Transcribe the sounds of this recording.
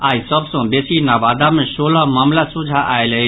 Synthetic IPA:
aisəbʱsə̃besinabad̪amesolamaːmlasud͡ʒʱaʔajləi

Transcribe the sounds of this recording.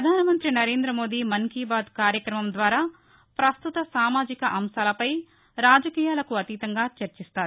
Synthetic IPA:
pɾɐd̪ʱaːnɐmɐnt̪ɾinɐɾe̞ːnd̪ɾɐmo̞ːd̪iːmɐŋkiːbaːd̪kaːɾjɐkɾɐmɐmd̪ʋaːɾaː | pɾɐst̪ut̪ɐsaːmaːd͡ʒikɐʔɐmʃaːlɐpɐj | ɾaːd͡ʒɐkiːjaːlɐkuɐt̪it̪ɐŋɡaːt͡ʃɐɾt͡ʃist̪aːɾuu

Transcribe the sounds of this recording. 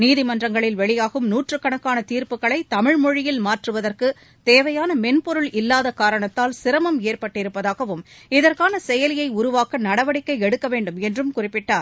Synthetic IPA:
niːðɪmɐndrɐŋɡɐɭɪlʋɛɭɪjaːɣɯmnuːʈrɯkːɐɳɐkːaːnɐt̪iːɾpɯɣɐɭɐɪt̪ɐmɪɻmɔɻɪjɪlmaːʈrɯʋɐðɐrkɯ | t̪eːʋɐjaːnɐmɛnpɔɾɯɭɪlːaːðɐkaːɾɐɳɐt̪ːaːlsɪɾɐmɐmeːrpɐʈːɪɾɯpːɐðaːɣɐʋɯmɪðɐrkaːnɐsɛjɐlɪjɐɪʊɾʊʋaːkɐnɐɽɐʋɐɽɪkːɐɪɛɽɯkːɐʋeːɳɖɯmɛndrɯmkʊrɪpːɪʈːaːɾ

